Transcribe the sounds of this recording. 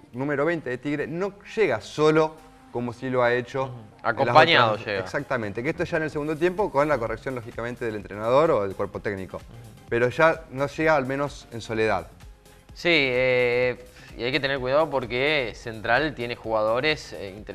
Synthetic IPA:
nũme̞ɾoβejnt̪e̞ðet̪iɣɾeno̞ʒ̥eɣaso̞lo | ko̞mosiloaet͡ʃo | a̰kolapaɲaðoʃeɣaksak̚t̪ament̪ekeest̪oeʒaenelseɣund̪ot̪jempo̞ko̞nlako̞reksjonloxikamẽnt̪eðelent̪ɾenaðo̞ɾoðelkweɾpo̞t̪ekniko̞̰ | pe̞ɾoʒanoʃeɣaːlmẽ̞no̞se̞nso̞leða̰ð | sie | ḭajket̪eneɾkwuiðaðopoɾkesent̪ɾalt̪jenexuɣaðo̞ɾesint̪e

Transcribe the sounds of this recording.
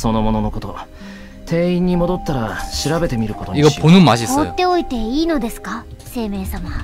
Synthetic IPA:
so̞no̞mo̞no̞no̞ko̞t̪o̞ | t̪ʰe̞ːĩɲ̟ːimo̞d̪o̞t̪ːaɾaɕiɾabe̞t̪e̞mʲiɾɯ̟ko̞t̪oɲiapʰonɯmaʑiot̪ːe̞oit̪e̞iːno̞d̪e̞sɨ̥ka | se̞ːme̞ːsama

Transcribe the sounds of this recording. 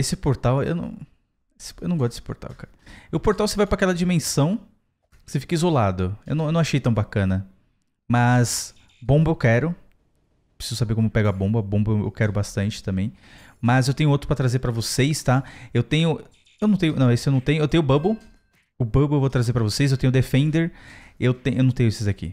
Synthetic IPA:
esɪpoɾt̪awḛwnɐ̰̃w̃ | esɪ̥ewnɐ̃ɡɔs̬t̪d̪esɪ̥po̰ɾt̪a̰wkaɾɐʊpoɾt̪awsevajpɾakɛlɐd͡ʒimẽsɐ̃w̃ | sefi̥kɐizolad̪ʊewnɐ̃wewnɐ̃w̃aʃejt̪ɐ̃w̃bakɐ̃nɐ | mɐs | bõbɐewkɛɾʊ | pɾe̥sizʊsabeɾkõmʊpɛɡʊɐbõbɐbõbɐewḛwkɛɾʊbast̪ɐ̃nt͡ʃɪ̥t̪ɐ̃mbẽj̃ | mɐzewt̪ẽɲʊowt̪ɾʊpɾɐt̪ɾazeɾpɾɐvosejst̪aewt̪ẽɲʊ | ewnɐ̃w̃t̪ẽjʊnɐ̃w̃esʊewnɐ̃t̪ẽjʊewt̪ẽjʊbɐ̃bʊ | ʊbɐbʊewvowt̪ɾazeɾpɾɐvosejszewt̪ẽɲʊd̪efẽnd̪eɾewt̪ẽj̃ʔewnɐ̃w̃t̪ẽjʊesezakḭ

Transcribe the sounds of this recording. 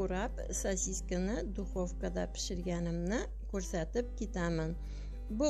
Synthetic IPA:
uɾɑp | sɐsʲiskənɘd̪uχofkəd̪ɑpɘ̥̆ʃɘ̆ɾɡænɘ̆mnɘ | kʉɾsæt̪ɘp̚kit̪æmɘn | bu

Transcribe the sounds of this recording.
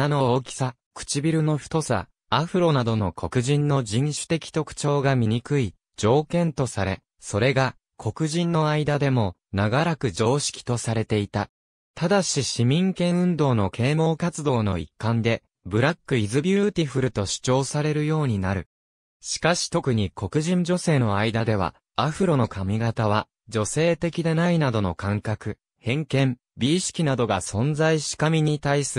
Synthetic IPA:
anooːkʲi̥sa | kɯ̟̥t͡ɕibʲiɾɯ̟no̞ɸɯ̥t̪o̞sa̰ | aɸɯ̟ɾo̞nad̪o̞no̞kʰo̞kɯ̟ʑĩnːo̞d͡ʑĩɰ̃ɕɨ̥t̪e̞kʲi̥t̪o̞kɯ̟̥t͡ɕo̞ːɡamʲiɲ̟ikɯ̟i | d͡ʑo̞ːkẽ̞nt̪o̞saɾe̞̰ | so̞ɾe̞ɡa | kʰo̞kɯ̟ʑĩnːo̞aid̪ad̪e̞mo̞naɡaɾakɯ̟d͡ʑo̞ːɕi̥kʲi̥t̪o̞saɾe̞t̪e̞it̪a | t̪ad̪aɕiɕimʲĩŋkẽ̞ɰ̃ɯ̟̃nd̪o̞ːno̞kʰe̞ːmo̞ːkat͡sɨd̪o̞ːno̞̰ḭkːãnd̪e̞ | bɯ̟ɾakːɯ̟izɨbʲɨɯːt̪ʲiɸɯ̟ɾɯ̟t̪o̞ɕɨ̥t͡ɕo̞ːsaɾe̞ɾɯ̟jo̞ːɲ̟inaɾɯ̟̰ | ɕi̥kaɕi̥t̪o̞kɯ̟ɲ̟iko̞kɯ̟ʑĩɲ̟d͡ʑo̞se̞ːno̞aid̪ad̪e̞β̞a̰ | aɸɯ̟ɾo̞no̞kʰamʲiɡat̪aβ̞a | d͡ʑo̞se̞ːt̪e̞kʲid̪e̞nainad̪o̞no̞̰kãŋkakɯ̟ | hẽ̞ŋkẽ̞m | bʲiːɕi̥kʲinad̪o̞ɡasõ̞nd͡zaiɕi̥kamʲiɲ̟it̪aisɨ

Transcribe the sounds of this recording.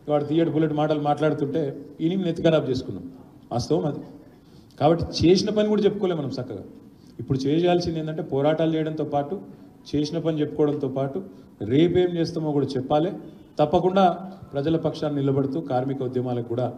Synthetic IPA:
ʋaːɽut̪ijaʈbuleʈmaːʈɐlumaːʈlaːɽut̪uɳʈe̞ːininet̪ikɐɾaːbt͡ʃe̞ːsu̥kunːa̰m | a̰ːst̪ɐʋɐmɐd̪i | kaːbɐʈːi̥t͡ʃeːsinɐpɐniɡuːɽat͡ʃe̞pːukoːleːmɐnɐmsɐkːɐɡa̰ː | ipːuɽut͡ʃeːt͡ʃjaːlsind̪ent̪ɐɳʈe̞ːpɔːɾaːʈaːlut͡ʃɛːjɐɽɐnt̪oːpaːʈu | t͡ʃe̞ːsinɐpɐnit͡ʃe̞pːu̥kɔːɽɐnt̪o̞ːpaːʈu | ɾeːpeːmt͡ʃeːst̪aːmoːɡuːɽaːt͡ʃɛpːaːleː | t̪ɐpːɐkuɳɖaːpɾɐd͡ʒɐlɐpɐkʂaːnnilɐbɐɽut̪uːkaːɾmikɐud̪jɐmaːlɐkɡuːɽaː

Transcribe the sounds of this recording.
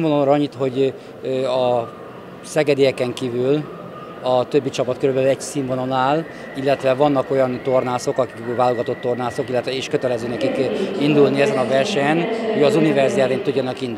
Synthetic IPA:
vononɾɒɲːit̪ho̞ɟ | ɒ | sɛɡɛd̪ejɛkɛŋkiːvyl | ɒt̪øbːit͡ʃɒpɒt̪køɾybɛlylɛɟsiɱvono̞naːl | ilːɛt̪ʋɛvɒnːɒko̞jɒnt̪o̞rnaːso̞kɒkikːylvaːloɡɒt̪o̞t̪ːo̞rnaːso̞kilːɛt̪ʋɛiːʃkø̞t̪ɛlɛzøːnɛkikind̪ulniɛzɛnɒvɛrʃɛnhoɟɒzunivɛrzialeːnt̪uɟːɒnɒkind̪u

